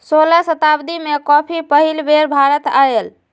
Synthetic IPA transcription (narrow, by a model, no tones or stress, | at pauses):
solasət̪abd̪imekɔpʰipəɦilbeɾbʱaɾət̪ael